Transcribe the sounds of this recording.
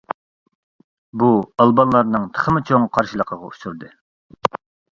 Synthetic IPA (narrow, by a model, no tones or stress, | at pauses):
buɑlˠbɑnlˠɑɾnɨŋt̪ʰə̥χəmɨt͡ʃʰoŋqʰɑɾʃilˠəqʰəʁɑ̰uʃuɾd̪ɨ